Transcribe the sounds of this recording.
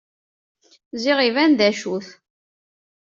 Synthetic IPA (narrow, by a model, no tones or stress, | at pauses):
ziʁivænd̪æʃuθ